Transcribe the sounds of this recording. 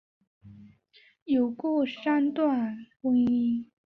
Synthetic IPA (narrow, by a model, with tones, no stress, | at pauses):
jo˨˩ʊkwɔ˥˩ʂa˥nt̪wa˥˩nkʊ˥ŋi˥